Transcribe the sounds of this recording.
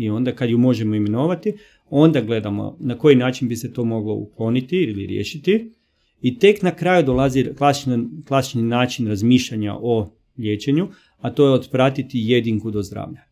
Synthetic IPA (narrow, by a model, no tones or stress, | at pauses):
io̞nd̪akad̪jumo̞ʒe̞moime̞noːʋat̪i | o̞nd̪aɡle̞d̪amo̰nako̞jinaːt͡ʃinbise̞t̪o̞mo̞ɡlo̞̰ṵklˠo̞nit̪iilḭɾjḛːʃit̪i | it̪e̞knakɾaːjud̪olˠaziklˠasi̥t͡ʃnaklˠasi̥t͡ʃninaːt͡ʃinɾazmiʃʎaɲa̰ʔo̞ | ʎʲe̞ːt͡ʃe̞ɲu | at̪o̞jeod̪pɾat̪it̪ije̞d̪iŋkud̪o̞zd̪ɾa̰ːʋʎa